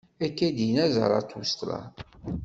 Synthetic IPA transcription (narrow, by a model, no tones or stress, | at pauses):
ækːæd̪ijnæzə̰ɾˤɑ̰t̪ːust̪ɾˤɑ̰